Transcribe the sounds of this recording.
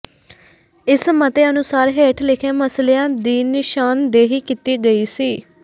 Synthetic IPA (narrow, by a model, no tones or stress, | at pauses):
ɪsmət̪eːənʊsaːɾɦeːʈʰlɪkʰẽːməsleãːd̪iːnɪʃaːnd̪eːɦiːkit̪iːɡəiːsiː